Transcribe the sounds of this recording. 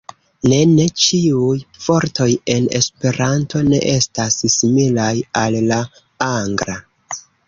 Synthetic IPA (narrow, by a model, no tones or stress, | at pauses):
ne̞ne̞t͡ʃiujfo̞ɾtʰo̞je̞ne̞spe̞ɾanto̞ne̞̰ʔe̞stassimilajalːa | aŋɡɾa